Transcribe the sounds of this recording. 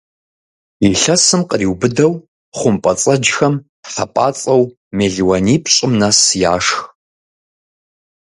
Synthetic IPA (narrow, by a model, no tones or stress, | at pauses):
iɬɐsɨmqəriːwbɨdɐw | χʷʊmpʼɐt͡sʼɐd͡ʒxɐm | ħɐpʼaːt͡sʼɐw | meːɮwɐniːpʰɕʼɪmnasja̰ːʂx